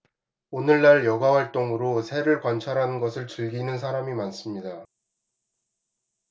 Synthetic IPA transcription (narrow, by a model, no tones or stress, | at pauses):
onɯɭːaɭjʌɡawaɭt͈oŋɯɾosʰe̞ɾɯɭkwant͡ɕʰaɾɦanɯnɡʌsʰɯɭt͡ɕɯɭɡinɯns̬ʰaɾamimans͈ɯmɲida